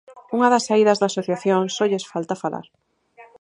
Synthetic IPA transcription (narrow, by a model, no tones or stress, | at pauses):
uŋaðasaiðazðaːsoθjaθjoŋsoʎesfalt̪afalʔa̰ɾ